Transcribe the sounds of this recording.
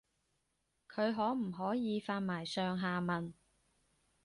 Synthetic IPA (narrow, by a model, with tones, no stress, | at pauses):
kʰɵ˨˧ɥɦɔː˨˥m̩˨˩ɦɔː˨˥jiː˨˧faː˧nmaː˨˩jsœː˨˧ŋɦaː˨˧mɐ˨n